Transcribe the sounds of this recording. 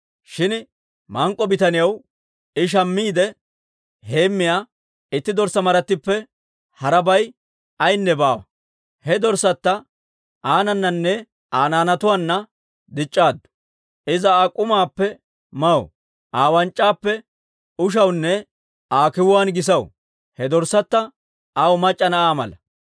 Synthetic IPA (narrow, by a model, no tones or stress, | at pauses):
ʃɪn | mɐŋkʼːɔbɪt̪ɐnɪjɐw | ɪʃ̬ɐmːiːd̪ɛ | heːmːɪjaː | ɪt̪ːɪd̪ɔɾsːɐmɐɾɐt̪ːɪpːɛ | hɐɾɐbɐj | ɐjnːɛbaːwɐ | hɛd̪ɔɾsɐt̪ːɐ | ʔaːnɐnːɐnːɛ | ʔaːnaːnɐt̪ʊwaːnːɐ | d̪ɪt͡ʃʼːaːd̪ːʊ̥ | ʔɪzɐaːkʼʊmaːpːɛ | mɐw | ʔaːwɐnt͡ʃʼːaːpːɛ | ʊʃ̬ɐwnːɛ | aːkɪwʊwaːnɡɪs̬ɐw | hɛd̪ɔɾsɐt̪ːɐ | ʔawmɐt͡ʃʼːɐnɐʔaːmɐ̰lɐ